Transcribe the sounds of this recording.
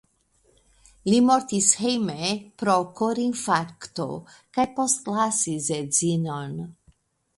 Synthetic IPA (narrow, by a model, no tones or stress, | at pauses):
limoɾt̪ishejmepɾokoɾinfaɾkt̪o̰ | kajpostlasizezino̞n